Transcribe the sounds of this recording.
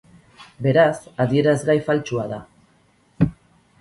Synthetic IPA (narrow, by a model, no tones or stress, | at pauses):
be̞ɾasaðie̞ɾazɣajfalt͡ʃuaða